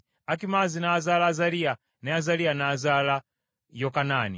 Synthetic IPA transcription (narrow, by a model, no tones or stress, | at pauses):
akimazinaːzalazaɾia | nɛazalianaːzala | jɔkanaːnḭ